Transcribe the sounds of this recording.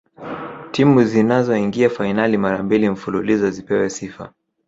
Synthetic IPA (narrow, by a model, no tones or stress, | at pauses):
timuzinazɔiŋɡiafainalimaɾambilim̩fululizɔzipɛwɛsifa̰